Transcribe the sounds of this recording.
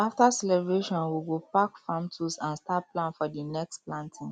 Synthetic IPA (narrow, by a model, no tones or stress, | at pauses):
aftasɛlɛbɹeʃɔ̃nwiɡopakfãmtʰusãnstaplãnfɔdinɛksplãntʰĩŋ